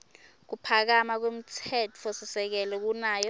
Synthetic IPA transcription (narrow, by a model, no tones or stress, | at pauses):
k̬upʰak̬amak̬wem̩tʰɛtʰosisɛk̬ɛlɛk̬unaːjɔ